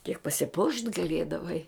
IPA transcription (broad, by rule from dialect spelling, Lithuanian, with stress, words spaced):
kʲiɛk pɐsʲɪˈpuɔʃʲtʲ ɡɐˈlʲiɛdɐʋɐɪ